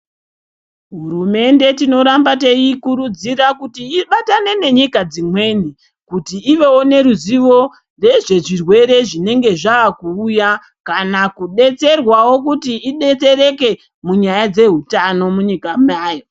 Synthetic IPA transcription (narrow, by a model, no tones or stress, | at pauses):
ɦuɾume̞nde̞tino̞ɾambate̞ikuɾud͡ziɾakutiiɓatane̞ne̞ɲikad͡zimwe̞ːni | kutiːʋe̞wone̞ɾuziʋo̞ | re̞ʐe̞ʐirwe̞ɾe̞ʐine̞ŋɡe̞ʐaːkuːja | kanakuɗe̞t͡se̞rwawo̞kutiːɗe̞t͡se̞ɾe̞ke̞ | muɲajad͡ze̞ɦutano̞muɲikamaːjo̞